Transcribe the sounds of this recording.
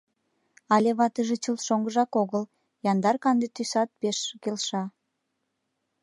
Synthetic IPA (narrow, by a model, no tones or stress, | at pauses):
ɑlʲeβɑt̪əʒet͡ɕəlʃoŋɡəʒɑkoɣəl | jɑnd̪ɑrkɑnd̪et̪ysɑt̪̚peʃkelʃɑ